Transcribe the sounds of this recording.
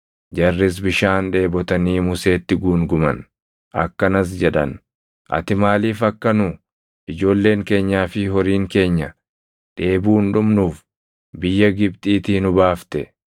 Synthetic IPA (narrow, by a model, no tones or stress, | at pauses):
d͡ʒɐrːɪs̬bɪʃaːnᶑe̞ːbɔt̪ɐniːmʊse̞ːt̪ːɪɡuːŋɡʊmɐ̰n | ʔɐ̰kːɐnɐs̬d͡ʒɛᶑɐ̰n | ʔɐ̰t̪ɪmaːliːfɐkːɐnʊ | ʔɪd͡ʒo̞ːlːe̞ːŋke̞ːɲːaːfɪɦɔɾiːŋke̞ːɲːɐ | ᶑe̞ːbuːnᶑʊmnuːf | bɪjːɐɡɪbt̪ʼiːt̪iːnʊbaːft̪ɛ